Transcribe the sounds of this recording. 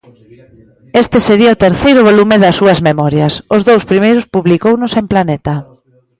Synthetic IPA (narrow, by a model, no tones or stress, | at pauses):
est̪ɪseɾiɐʊt̪eɾθejɾʊβolumɪðɐsːuɐzmemɔɾjɐsʊzðowspɾimejɾʊspuβlikownʊsemplanɛt̪ɐ